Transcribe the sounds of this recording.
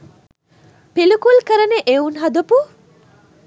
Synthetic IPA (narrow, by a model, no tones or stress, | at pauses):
pelukulkəɾəneʔeunɦɐd̪ɐpu